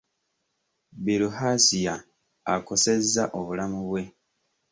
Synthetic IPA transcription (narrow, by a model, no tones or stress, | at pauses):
biluhasijaː | ko̞se̞zːaʔoβulamuβwe̞